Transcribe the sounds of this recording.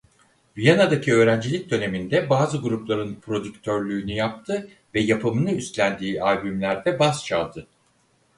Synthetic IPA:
vijanad̪acʰiø̞ːɾænd͡ʒilʲic̚d̪ø̞ne̞mind̪ɛbaːzɯɡuɾuplˠaɾɯnpɾo̞d̪ykt̪ʰøɾlʲyːnyjap̚t̪ʰɯ | vɛjapʰɯmɯnɯyst̪lʲænd̪iːalʲbymlʲæɾd̪ɛbast͡ʃʰa̰lˠd̪ɯ

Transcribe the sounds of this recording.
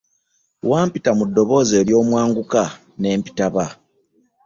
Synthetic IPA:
waːmpitamudːo̞βo̞ze̞ːɾjo̞ːmwaːŋɡuka | ne̞ːmpi̥taβa

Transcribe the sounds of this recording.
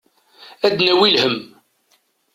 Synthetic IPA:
æd̪næwilhəm

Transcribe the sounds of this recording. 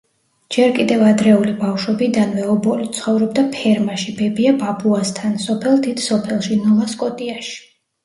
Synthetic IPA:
d͡ʒɛɾkʼid̪ɛvad̪ɾɛulibafʃwɔbid̪anvɛɔbɔlit̪sʰχɔvɾɔbd̪apʰɛɾmaʃibɛbiababuast̪ʰansɔpʰɛlˠd̪id̪̥sɔpʰɛlˠʃinɔlˠaskʼɔt̪ʼiaʃi̥

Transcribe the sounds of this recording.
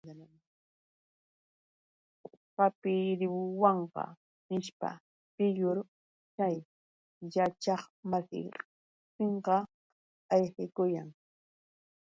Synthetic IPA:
qapɪɾɪwwɑɴqɑ̰ | nɪʃpa̰ | pɪʎʊɾ | t͡ʃaj | jat͡ʃɑχmasɪ̰ | t̪ɪɴqɑ | ɑjxɪkʊjaŋ

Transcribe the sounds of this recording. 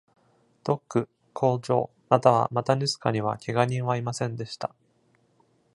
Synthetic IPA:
d̪̥o̞kːɯ̟ | kʰo̞ːd͡ʑo̞̰ː | nat̪aβ̞a̰mat̪aɲʲɯzɨ̥kaɲ̟iβa̰kʲʰe̞ɡaɲʲĩɰ̃βaimasẽ̞nd̪e̞ɕi̥t̪a

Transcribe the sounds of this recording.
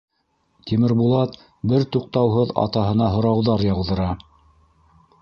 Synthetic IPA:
t̪ʲimɘ̆ɾbulˠɑt̪ | bɘɾt̪uq̚t̪ɑwɦɤðɑ̰t̪ɑɦɤ̆nɑɦŏɾɑwðɑɾjɑwðɤ̆ɾɑ

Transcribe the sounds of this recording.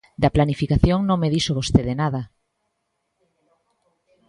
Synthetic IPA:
d̪ɐplanifikaθjoŋnõŋmeðiʃoβ̞ost̪eðenaðɐ

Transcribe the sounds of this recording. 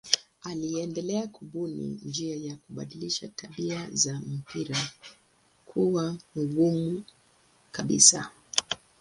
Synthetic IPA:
aliɛndɛlɛakuɓunḭnd͡ʒiajakuɓa̰ɗiliʃatʰaɓiazam̩piɾa | kʰuwamuɡumu | kaɓḭsa̰

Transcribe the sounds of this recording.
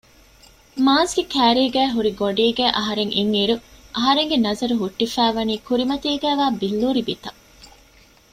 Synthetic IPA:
maːsɡekʰæːɾiːɡæːɦuɾiɡoɖiːɡæːʔɐɦɐɾeŋʔiŋiɾuʔɐɦɐɾeŋɡenɐzɐɾuɦuʈːifæːʋɐniːkuɾimɐt̪iːɡæːʋaːbilːuːɾibit̪ɐ

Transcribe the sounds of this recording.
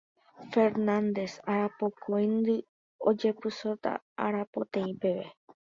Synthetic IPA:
fe̞ɾnãnd̪e̞saɾapokʰojnd̪ɨ | o̰d͡ʒe̞pɨsot̪a̰ | aɾapot̪ẽĩpe̞ʋe̞

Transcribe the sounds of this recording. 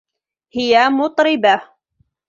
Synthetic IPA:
hɪjamʊt̪ˤɾɪba

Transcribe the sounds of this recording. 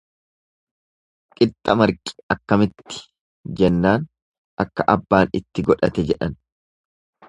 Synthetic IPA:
kʼɪt̪ʼːɐmɐɾkʼɪ̥ɐkːɐmɪt̪ːɪ̥ | d͡ʒɛnːaːn | ʔɐkːɐʔɐbːaːnɪt̪ːɪɡɔᶑɐ̰t̪ɛd͡ʒɛᶑɐn

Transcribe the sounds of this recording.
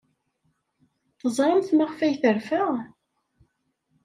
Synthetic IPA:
θəzˤɾˤəmθmaʁfæjθəɾfæʁ

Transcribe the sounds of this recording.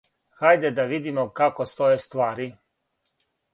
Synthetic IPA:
xajd̪ɛd̪aʋid̪imokakost̪ojest̪ʋaːɾi

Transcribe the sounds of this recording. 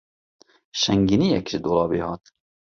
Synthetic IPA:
ʃɛŋɡiniːjɛkʒɪd̪oːlɑːbeːhɑːt̪

